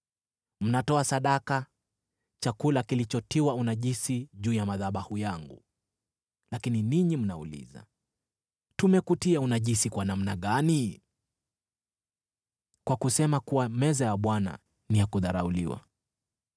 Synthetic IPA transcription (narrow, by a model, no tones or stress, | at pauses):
m̩natɔasaɗaka | t͡ʃakulakilit͡ʃɔtiwaunaʄisiʄuːjamaðaɓahujaŋɡṵ | lakininiɲim̩na̰ṵlḭza̰ | tumɛkutiaunaʄisikwanam̩naɠani | kwakusɛmakuwamɛzajaɓwana̰ | nijakuðaɾa̰ulḭwa̰